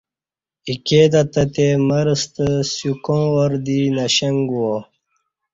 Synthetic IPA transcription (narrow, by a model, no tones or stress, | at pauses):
iked̪ɐt̪ɐt̪emɐɾst̪əsjukõːwoɾd̪inɐɕɐŋɡuwo